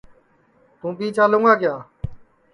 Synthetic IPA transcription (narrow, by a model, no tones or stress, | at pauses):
t̪ũːpiːt͡ʃʰaːloŋɡaːkɪjaː